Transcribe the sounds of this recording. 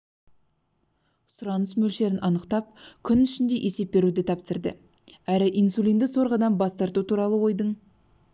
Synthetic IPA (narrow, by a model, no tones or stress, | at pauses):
sʊɾɑnəsmɵlʃe̞ɾɪnʔɑnəqt̪ɑp̚kʲʰʏnʏʃɪnd̪e̞jʔe̞se̞p̚ːe̞ɾud̪ɪt̪ʰɑpsəɾd̪ə | æɾɪʔinsulʲˠind̪ɪso̞ɾʁɑd̪ɑmbɑst̪ɑɾt̪ut̪ʰuɾɑlˠəwo̞jd̪əɴ